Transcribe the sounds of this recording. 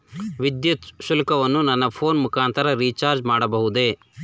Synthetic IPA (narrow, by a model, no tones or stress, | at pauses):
ʋid̪jɐt̪ʃulɐkɐʋɐnːunɐnːɐpʰoːnmukaːnt̪ɐɾɐɾiːt͡ʃaːɾd͡ʒmaːɽɐbɐɦud̪eː